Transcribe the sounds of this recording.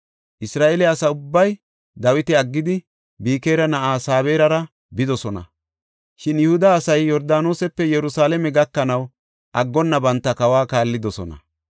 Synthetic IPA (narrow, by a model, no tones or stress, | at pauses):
ʔɪsɾaːʔelɛɐsɐʊbːɐj | d̪ɐwɪt̪ɪɐɡːɪd̪ɪ | biːkeːɾɐnɐʔaːsaːβeːɾɐɾɐ | bɪd̪ɔsɔnɐ̰ | ʃɪnjʊhʊd̪ɐːsɐjjɔɾd̪aːno̞ːsɛpːɛjɛɾʊsaːlɛmɛɡɐkːɐnɐw | ʔɐɡːɔnːɐbɐnt̪ːɐkɐwaːkaːlːɪd̪ɔsɔnɐ̰